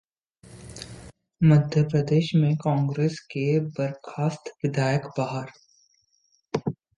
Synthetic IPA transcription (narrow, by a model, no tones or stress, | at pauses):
məd̪ʱjəpɾəd̪eːʃmẽkɔ̃ːŋɡɾeːskebɐɾkʰaːst̪ʋɪd̪aːjəkbaːɦəɾ